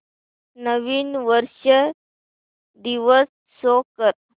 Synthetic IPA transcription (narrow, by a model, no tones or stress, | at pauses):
nəʋiːnʋəɾɕə | d̪iʋəs | sokəɾ